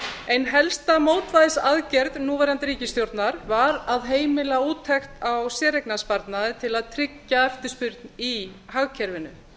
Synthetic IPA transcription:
ejnɦɛlst̪amoːwt̪vajðɪsaðcɛɾðnuːvɛjɾant̪ɪɾiːcɪst̪jowɾt̪naɾvaɾaðɦeːjmɪlauːt̪ʰːɛxt̪awsɛːɾejknaspaɾt̪naðɪt̪ʰɪlaðt̪ʰɾɪcːaɛft̪ɪ̥spʏɾt̪niɦaɣcʰɛɾvɪnʏ̰

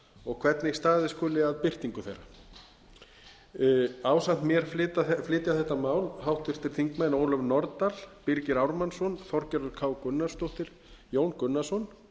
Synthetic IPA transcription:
ɔɣkʰv̥ɛt̪nɪist̪aːðɪskʏːlɪaðpɪr̥t̪iŋkʏθejɾa̰ | aːwsant̪mjɛɾ̥flɪːt̪aflɪːt̪jaθɛht̪ːamaːwlhawht̪ɪr̥t̪ɪɾ̥θiŋkmajnoːwlœvnɔɾt̪alpiɾcɪɾawɾmansɔnfɔɾ̥cɛɾʏðkʰaːwkʏnːḁst̪oht̪ɪɾ̥ | joːwnkʏnːasɔn

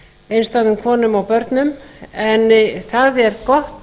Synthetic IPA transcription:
ejnst̪aðʏmkʰvɔːnʏmawpœɾt̪nʏmɛnθaðɛɾkɔht̪

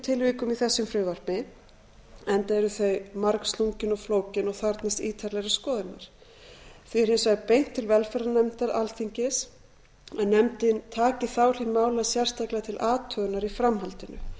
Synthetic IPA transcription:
t̪ʰɪlviːkʏmiθɛsːʏmfɾʏːvaɾ̥pɪ | ɛnt̪aɛɾʏθœɥmaɾkst̪luɲcɪnɔɣfloːwcɪnɔɣθaɾt̪nɪst̪iːt̪ʰaɾlɛɣɾɪskɔːðɪna̰ɾ̥ | θiɾhensvaɣpejŋ̥t̪ʰːɪlvɛlfɛɾanɛmt̪aɾa̰lθiɲcɪs | ɛðnɛmt̪ɪnt̪ʰaːcɪθawl̥imaːwlaðsjɛr̥st̪ʰaklat̪ʰɪlʔaːt̪ʰœːɣʏnaɾifɾamɦalt̪ɪnʏ̰

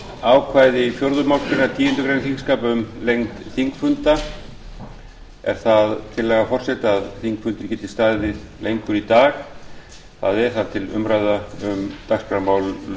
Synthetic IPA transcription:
aːwkʰvaːjðɪfjowɾðʏmawl̥kɾɪɾnat̪iːɪnt̪ʏkɾejnθiŋskaːpʏmlejŋt̪θiŋkfʏnt̪a | ɛ̰ɾ̥θaðt̪ʰɪlːɛːɣafɔr̥sɛt̪aːðθiŋkfʏnt̪ʏɾɛçcːɪt̪ʰɪlst̪aːðɪðlejŋkʏɾit̪aːx | θa̰ðɛɾ̥θaðt̪ʰɪlʏ̰mɾajðaʏmt̪akspɾamaːwl

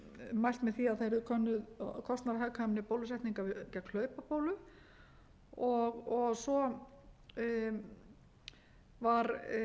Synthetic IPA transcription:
majl̥t̪mɛðθiaðθejɾðʏkʰœnːʏðkʰɔst̪naɾɦakʰamnɪpoːwlʏsɛjht̪niŋkavɪcakʰlœːɥpapoːwlʏ | ɔɣɔɣsɔ | vaɾ

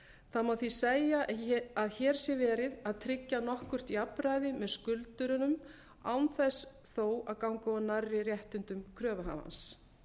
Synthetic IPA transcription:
θaðmawθiseːjaaðçɛːɾ̥sjɛvɛːɾɪðaðt̪ʰɾɪcːanɔhkʏr̥t̪iapɾajðɪmɛðskʏlt̪ʏɾʏnʏm | awnθɛs | θoːwaðkawŋkaɔnarːɪrjɛht̪ʏnt̪ʏmkʰɾœːvaɦa̰va̰ns

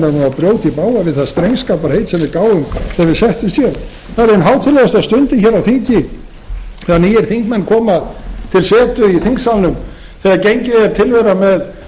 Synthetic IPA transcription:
ɛvapɾjoːwt̪ipaːwavɪðθast̪ɾejŋskaːpaɾ̥hejt̪sɛmvɪɾkaːwʏmθɛvɪðsɛht̪ʏmst̪jɛl | θaɾɪnɦaːwt̪ʰɪlːɛʏst̪aðst̪ʏnt̪ɪçɛɾawθiɲcɪ | θɛɣanijɛɾ̥θiŋkmɛnːkʰɔːmaðt̪ʰɪlsɛːt̪ʏiθiŋksalnʏm | θɛɣaɾcejɲcɪɛɾ̥t̪ʰɪlvɛɾamɛð

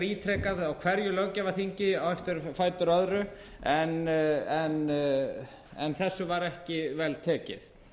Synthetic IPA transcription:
ɾiːt̪ʰɾɛːkaðawkʰv̥ɛɾjʏlœwcavḁθiɲcɪawɛft̪ʏɾfaːjt̪ʏɾœðɾʏ | ɛnɛn | ɛ̰nθɛsːʏvaɾɛhcɪvɛlt̪ʰɛːcɪ̰θ

